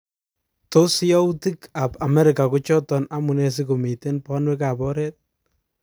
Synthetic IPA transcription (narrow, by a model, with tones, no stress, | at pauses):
to˦si˦ɔ˦u˦ti˦ka˨pa˨mɛ˦ɾɪka˨kut͡ʃɔ˦tɔ˨na˦mu˨ne˨s̬ɪ˦ku˨mi˨te˦npɔ˦nwɛ˦ka˨pɔ˦ɾɛ˦t̚